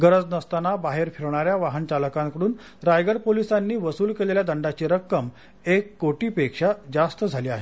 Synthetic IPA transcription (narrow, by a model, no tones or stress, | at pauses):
ɡəɾəd͡znəst̪anabaɦeɾfiɾɳaɾjaʋaɦənt͡ɕaləkãŋkəɽuːn | ɾajɡəɾpolisanːiːʋəsuːlkeleljad̪əɳɖat͡ɕiːɾəkːəm | ekːoʈiːpekʂad͡zast̪əd͡zʱaliːaɦe